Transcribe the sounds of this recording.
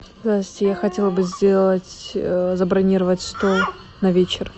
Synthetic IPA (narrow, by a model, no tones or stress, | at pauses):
zasʲtʲɪjaxɐtʲe̞lˠəbɨzʲdʲe̞lˠətʲzəbɾɐnʲiɾəvətʲst̪olˠ | nɐvʲet͡ɕɪr